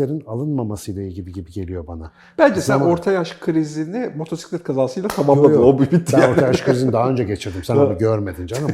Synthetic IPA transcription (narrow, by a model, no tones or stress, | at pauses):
eɾinalˠɯnmamasɯjlˠailɟibiɟibiɟe̞lʲijo̞bana | b̥ænd͡ʒɛsæno̞ɾt̪ʰajaʃkʰɯɾizinimo̞t̪ʰo̞si̥clʲɛt̪̚kʰazaːsɯjlˠat̪ʰamamlˠad̪ɯobubit̪ːot̪ʰajaʃkʰɯɾɾizinid̪aɦaø̞nd͡ʒɛɟe̞t͡ʃʰijod̪ymsɛnonɯɟøɾme̞d̪ind͡ʒana